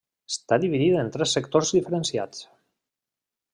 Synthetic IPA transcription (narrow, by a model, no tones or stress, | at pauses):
est̪aðiβiðiðent̪ɾɛsːekt̪oɾzðifəɾensja̰t͡s